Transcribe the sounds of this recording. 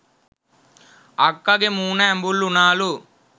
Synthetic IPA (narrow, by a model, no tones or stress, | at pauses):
ɐkːɐɡemuːnaːmbulːunaːlu